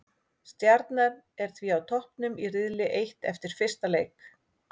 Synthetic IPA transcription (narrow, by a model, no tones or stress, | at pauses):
st̪jaɾt̪naɾ | ɛɾ̥θʰviawt̪ʰɔhpnʏmirɪðlɪʔejht̪ɛ̰ft̪ɪɾ̥fɪr̥st̪aleːjk